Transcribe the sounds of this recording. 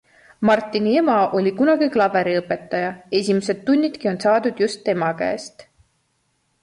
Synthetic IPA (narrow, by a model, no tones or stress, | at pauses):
mɑrt̪ˑːinie̞mɑʔo̞lʲikunɑɡ̥iklɑve̞ɾiɤpːˑe̞t̪ˑːɑjɑe̞sʲimes̬e̞d̪̥ːunʲːit̪kio̞nsɑːd̪ud̪̥just̪ːe̞mɑkæ̰est̪